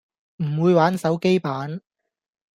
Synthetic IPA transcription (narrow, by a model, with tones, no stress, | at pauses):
m̩˨˩wuː˨˧jwaː˨˥nsɐ˨˥wke˥jpaː˨˥n